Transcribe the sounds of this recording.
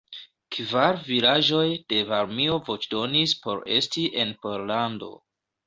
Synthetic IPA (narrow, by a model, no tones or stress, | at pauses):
kvaɾvilaʒo̞jd̥e̞vaɾmio̞vo̞t͡ʃdo̞nispo̞̰ɾe̞̰stiʔe̞npoɾlando̞̰